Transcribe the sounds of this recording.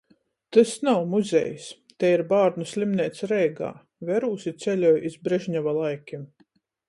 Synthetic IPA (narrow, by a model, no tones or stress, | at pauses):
t̪ɨsnawmuzʲɛ̰js | t̪ɛiɾbaːɾnusʲlʲimniɛt̪sɾɛjɡa̰ː | vɛɾuːsit̪sʲɛlʲɔjizbɾɛʒɲʲavalˠajkʲim